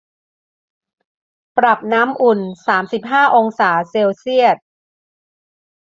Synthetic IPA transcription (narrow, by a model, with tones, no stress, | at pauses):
pɾa˨˩p̚naː˦˥mʔu˨˩nsaː˩˦msi˨˩p̚ɦaː˥˩ʔo˧ŋsaː˩˦seː˧wsi˥˩ət̪̚